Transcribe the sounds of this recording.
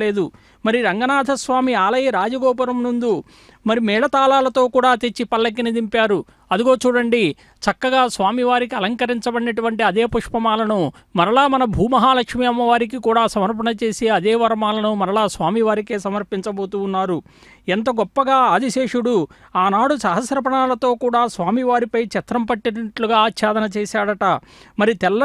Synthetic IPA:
leːd̪u | mɐɾiɾɐŋɡɐnaːd̪ʱɐsʋaːmiaːlɐjɐɾaːd͡ʒɐɡɔːp̬ɐɾɐmnund̪u | mɐɾimɛːɭɐt̪aːlaːlɐt̪o̞ːkuːɽaːt̪e̞t͡ʃːipɐlːɐk̬ːinid̪impaːɾu | ɐd̪iɡo̞ːt͡ʃuːɽɐɳɖi | t͡ʃɐkːɐɡaːsʋaːmiʋaːɾik̬iɐlɐŋkɐɾiɲt͡ʃɐbɐɽinɐʈuʋɐɳʈiɐd̪e̞ːpuʂpɐmaːlɐnu | mɐɾɐlaːmɐnɐbʱuːmɐɦaːlɐkʂmijɐmɐʋaːɾik̬ikuːɽaːsɐmɐɾpɐɳɐt͡ʃe̞ːseɐd̪eːʋɐɾɐmaːlɐnumɐɾɐɭaːsʋaːmiʋaːɾike̞ːsɐmɐɾpiɲt͡ʃɐbo̞ːt̪uːnːaːɾu | ɛnt̪ɐɡɔpːɐɡaːaːd̪iʃeːʂuɽu | aːnaːɽusɐɦɐsɾɐp̬ɐɳaːlɐt̪o̞ːkuːɽaːsʋaːmiʋaːɾipɐjt͡ʃɛt̪ɾɐmpɐʈːinɐɐʈluɡaːtʃʰaːd̪ɐnɐt͡ʃeːsaːɽɐʈɐ | mɐɾit̪ɛlːɐ

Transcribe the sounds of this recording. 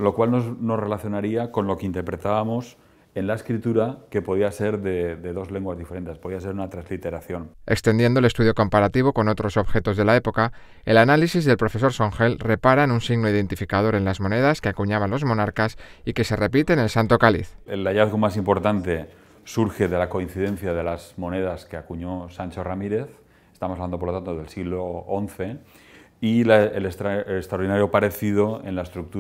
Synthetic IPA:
lo̞kwalnono̞sre̞laθjo̞naɾiako̞nlo̞keint̪e̞ɾpɾe̞t̪aβamo̞s | e̞nlaeskɾit̪uɾake̞po̞ð̞iase̞ɾðeðe̞ðo̞zle̞ŋɡwazðifeɾe̞nt̪espo̞ðiase̞ɾunat̪ɾazlit̪e̞ɾaθjo̞ne̞kst̪e̞nd̪je̞nd̪ole̞st̪uðjoko̞mpaɾat̪iβ̞o̞ko̞no̞t̪ɾo̞so̞βxe̞t̪o̞zðe̞lae̞po̞ka | e̞̰lanalisizðelpɾo̞fe̞so̞ɾsoŋxe̞lre̞paɾaenunsiɣno̞ið̞e̞nt̪ifikað̞o̞ɾe̞nlazmo̞neð̞askeakuɲaβ̞anlo̞zmõ̞naɾkasike̞se̞re̞pit̪e̞ne̞lsant̪o̞kalḭθelaʎaðɣomas̬impoɾt̪ant̪e̞ | suɾxe̞ðe̞lako̞inθiðenθjað̞elazmo̞neð̞askeakuɲosant͡ʃoramiɾe̞θ | est̪aβmosaβland̪opɾlot̪ant̪oðelsiɣloonθe̞ | ilelest̪ɾaeest̪ɾaoɾðinaɾjopaɾe̞θiðoḛnlaest̪ɾuk̚t̪u

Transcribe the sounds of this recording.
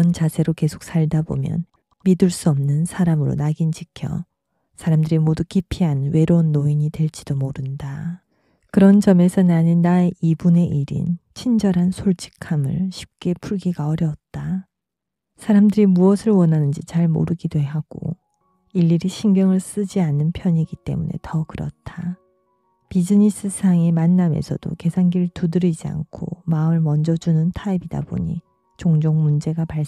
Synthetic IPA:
ʌnt͡ɕasʰeɾoke̞sʰo̥k̚s͈ʰaɭdabo̰mjʌ̰n | miduɭs͈uʌmnɯnsʰaɾamɯɾo̰naɡind͡ʑikʰjʌ̰ | sʰaɾamdɯɾimodukipʰiɦanwe̞ɾounːoiɲitwe̞ɭt͡ɕ͈id̥omoɾɯnda | kɯɾʌnd͡ʑʌme̞sʰʌnaɲinaeibune̞ʔiɾḭnt͡ɕʰind͡ʑʌɾɦansʰoɭt͡ɕ͈ʰi̥kʰamɯ̰ɭɕʰi̥p̚k͈e̞pʰuɭɡiɡaʌɾjʌt̚t͈a | sʰaɾamdɯɾimuʌsʰɯɭwʌnɦanɯnd͡ʑit͡ɕaɭmo̰ɾɯɡidwe̞ɦaɡ̥o̰ | iʎːiɾiɕʰinɡjʌŋɯɭs͈ɯd͡ʑianːɯnpʰjʌɲiɡit͈e̞̰mune̞̰tʌkɯɾʌ̰t̚tʰa | pid͡ʑiɲis͈ɯsʰaŋemanːamḛsʰʌd̥o̰ke̞sʰanɡiɾɯɭtudɯɾid͡ʑia̰ŋkʰo̰maɯɭmʌnd͡ʑʌd͡ʑunɯntʰaibida̰bo̰ɲḭ | t͡ɕoŋd͡ʑoŋmund͡ʑe̞ɡapaɭ

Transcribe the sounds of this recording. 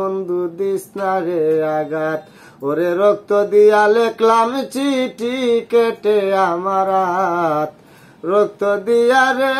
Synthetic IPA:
ond̪ud̪isnaɾeaɡat̪ | oɾeɾok̚t̪od̪ijaleklamt͡ʃiʈikeʈeamaɾat̪ | ɾok̚t̪od̪ijaɾe

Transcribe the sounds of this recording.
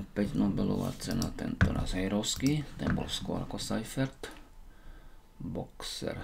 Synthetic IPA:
pɛɟnobɛlɔʋa̰ːt͡sɛnat̪ɛnt̪ɔɾa̰sɦɛjɾoʊskit̪ɛnbɔlskwɔɾakɔsajfɛɾt̪ | boksɛ̰ɾ

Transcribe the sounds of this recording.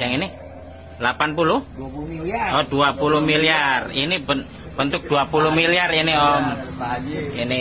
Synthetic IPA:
d͡ʒaŋinɪ | lapanpulʊh | ɔduapulʊhmiliarinibə | b̥ənt̪ʊk̚d̥uapulʊhmiliariniɔm | ini

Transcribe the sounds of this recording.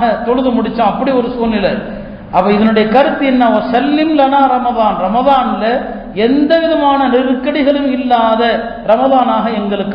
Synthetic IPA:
ɣɐt̪ɔɻɯðɯmʊɽɪt͡ʃːãːɐpːɐɽiɔɾɯsuːnɪlɐ | ʔɐpːɐːɪðɐnɯɽɐjɐkɐɾɯt̪ːiɛnːɐɐɾsɐlːɪmlɐnãːɾɐmɐðaːnɾɐmɐðaːnlɐ | ɛnd̪ɐʋɪðɐmaːnɐnɪrkːɐɽɪɣɐɭɯmɪlːaːðɐ | ɾɐmɐðaːnaːɣɐɛŋɡɐɭɯkː

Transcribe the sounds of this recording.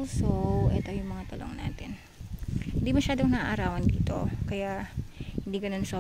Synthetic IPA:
sowʔɛːt̪o̞jʊŋmɐŋat̪ɐlʔo̰ŋnaːt̪ɛn | hɪnd̪imɐʃaːd̪oŋnɐʔaʔɐɾaːwɐnd̪ḭːt̪o̞̰kɐjaʔhɪnd̪iːɡɐno̞nso

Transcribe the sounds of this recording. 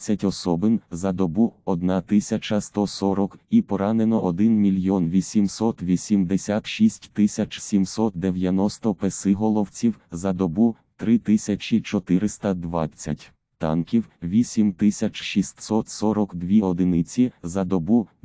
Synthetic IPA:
t͡sʲːɐtʲɔsɔbɪmzɐd̪ɔbuɔd̪nɑt̪ɪsʲɐt͡ʃɐst̪ɔsɔɾɔkipɔɾɑnenɔʔɔd̪ɪnmʲilʲjɔnʋʲisʲimsɔt̪ʋʲisʲimd̪esʲat̪ʃisʲtʲt̪ɪsʲɐt͡ʃsʲimsɔt̪̚d̪ewjɐnɔst̪ɔpesɪɦɔlˠɔwt͡sʲiwzɐd̪ɔbu | t̪ɾɪt̪ɪsʲɐt͡ʃit͡ʃɔt̪ɪɾɪst̪ɐd̪ʋɑ̰t͡sʲːɐtʲ | t̪ɑ̰nkʲiwʋʲisʲimt̪ɪsʲɐt͡ʃʃisʲt̪ʲsɔt̪sɔɾɔkd̪ʋʲiɔd̪ɪnɪt͡sʲizɐd̪ɔbu

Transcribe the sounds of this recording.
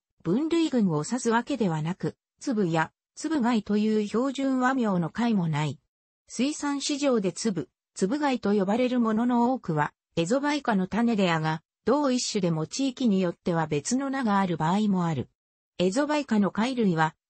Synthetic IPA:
b̥ɯ̟̃nɾɯ̟iɡɯ̟̃ŋo̞sasɨβake̞d̪e̞β̞anakɯ̟ | t͡sɨbɯ̟ja | t͡sɨbɯ̟ɡait̪o̞jɯ̟ːço̞ːʑɨ̃ɰ̃βamʲjo̞ːno̞kaimo̞nai | sɨisãɰ̃ɕiʑo̞ːd̪e̞t͡sɨbɯ̟ | t͡sɨbɯ̟ɡait̪o̞jo̞baɾe̞ɾɯ̟mo̞no̞no̞oːkɯ̟βa | e̞zo̞baikano̞t̪ane̞d̪e̞aɡa | d̪̥o̞ːiɕːɨd̪e̞mo̞t͡ɕiːkʲiɲ̟ijo̞t̪ːe̞βabe̞t͡sɨno̞naɡaːɾɯ̟baːimo̞aɾɯ̟ | e̞zo̞baikano̞kaiɾɯ̟iβa

